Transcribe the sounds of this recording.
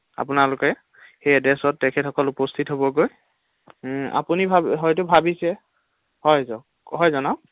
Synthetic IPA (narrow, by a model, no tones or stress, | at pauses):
a̰pʊnalʊkɛ | xejadɹɛsɔtːɛkʰɛtʰɔkɔlupɔstʰitɦobɔɡoj | a̰punibʱabɦɔjtʊbʱabisɛ | hɔjzɔ | ɦɔjzɔnaʊ